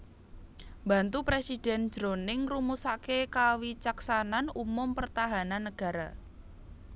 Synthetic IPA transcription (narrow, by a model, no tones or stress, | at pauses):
mbä̤nt̪upɾesid̥ɛ̤n̥d͡ʒ̥ɾonɪŋrumusakekawit͡ʃaksananumʊmpərt̪aɦananːəɡ̥a̤ɾa̰